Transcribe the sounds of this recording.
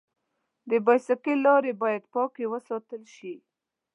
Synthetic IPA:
d̪əbajsakəlɑɾebɑjad̪pɑkewəsɑt̪əlʃi

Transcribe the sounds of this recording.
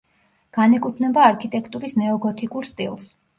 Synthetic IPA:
ɡ̥anɛkʼut̪ʰnɛbaːɾkʰit̪ʼɛkʰt̪ʼuɾisnɛɔɡɔt̪ʰikʼuɾst̪ʼilˠs

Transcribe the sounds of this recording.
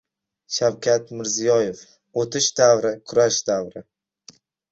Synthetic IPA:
ʃawkʲʰat̪mɪɾzijɒjef | ot̪ʰɪʃd̪avɾɪkʰʊɾaʃd̪avɾɪ

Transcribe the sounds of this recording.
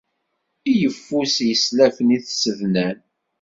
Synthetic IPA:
ijəfːusjəslæfəniθsəðnæn

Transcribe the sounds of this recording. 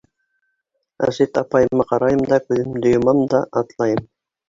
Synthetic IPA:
æ̰sit̪ɑpɑjɤ̆mːɑqɑɾɑjɤmd̪ɑkʉðɘmd̪ŏjŏmɑmd̪ɑʔɑt̪lˠɑjɤm

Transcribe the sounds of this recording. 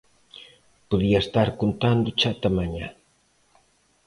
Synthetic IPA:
poðiaest̪aɾkont̪and̪ʊt͡ʃat̪amaɲa

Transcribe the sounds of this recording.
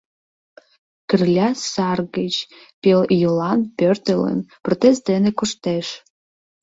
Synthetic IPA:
kʰɨrlʲasarɡɐd͡ʒ | pʲeljulanpʰʲørtʰɨlə̰nprot̪ʰestdenekʷʊʂtʰeʂ

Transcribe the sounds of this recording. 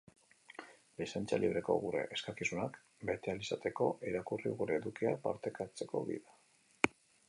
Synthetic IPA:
lisent͡sa̰liβ̞ɾe̞ko̞̰ɣuɾe̞̰ʔeskakisunak | be̞t̪ealisat̪e̞ko̞ʔiɾakuriɣuɾe̞ːðukiapa̰ɾt̪e̞kat͡se̞ko̞̰βḭða

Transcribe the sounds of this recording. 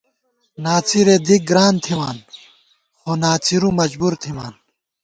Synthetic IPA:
naːt͡siɾed̪ik̚ɡɾaːnt̪ʰiwaːn | xonaːt͡siɾumɐd͡ʑbuːɾt̪ʰima̰ːn

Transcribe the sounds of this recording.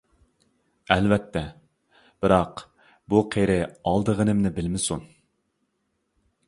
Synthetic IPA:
ɛlvɛt̪ʰːɛ | b̥ɪɾɑq | buqʰeɾɪɑlˠd̪əʁənɪmnɪbɪlmɪsun

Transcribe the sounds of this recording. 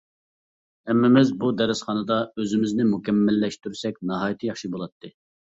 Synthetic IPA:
hɛmːɪmɪzbud̪ɛɾɪsχɑnɨd̪ɑøzɪmɪznɪmukʲɛmːɪlːɛʃt̪yɾsɛkʲnɑɦɑːjit̪ʰɨjɑχʃibolˠɑt̪ʰːɨ

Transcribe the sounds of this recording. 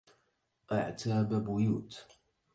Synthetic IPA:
ʔaʕt̪ʰaːbabʊjuːt̪

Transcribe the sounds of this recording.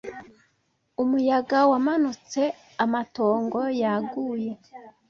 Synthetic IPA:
umujaɡawamanut͡se̞ | amato̞ːŋɡo̞jaɡuːje̞

